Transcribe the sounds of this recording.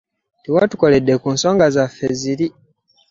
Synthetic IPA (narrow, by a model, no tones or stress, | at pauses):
tiwatu̥ko̞ledːekuːnso̞ːŋɡazafːeziɾi